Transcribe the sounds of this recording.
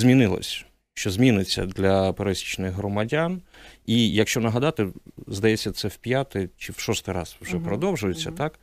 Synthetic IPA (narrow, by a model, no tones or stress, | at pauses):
zʲmʲinɪlˠɔ̰sʲ | ʃt͡ʃɔzʲmʲinɪt͡sʲːɐ̰d̪lʲɐpeɾɛsʲit͡ʃnɪɣɦɾɔmɐdʲanijɐkʃt͡ʃɔnɐɦɐd̪ɑt̪ɪzd̪ɐjɛt͡sʲːɐt̪sɛwpʲjat̪ɪt͡ʃɪwʃɔst̪ɪɾɑ̰zwʒɛpɾɔd̪ɔwʒʊjet͡sʲːɐt̪ɑk